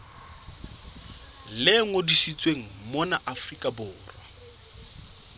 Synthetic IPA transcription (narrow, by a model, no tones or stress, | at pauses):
lɪŋodisit͡sʼweŋ̩mɔnaʔafrikʼabʊːrwa